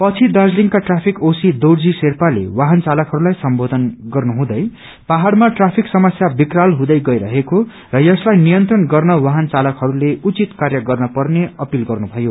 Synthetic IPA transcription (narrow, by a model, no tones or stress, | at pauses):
pʌt͡sʰid̪ard͡zliŋɡkaʈrapʰikosid̪owɽd͡ziserpalḛwaɦʌnt͡salʌkɦʌɾulajsʌmbod̪ʱʌnɡʌrnuɦũd̪ʌj | paɦaɽmaʈrapʰiksʌmʌsjabikralɦũd̪ʌjɡʌjɾʌɦeko | rʌjʌslajnijʌnt̪rʌnɡʌrnʌwaɦʌnt͡salʌkɦʌɾuleut͡sit̪karjʌɡʌrnʌpʌrneʌpilɡʌrnubʱʌjo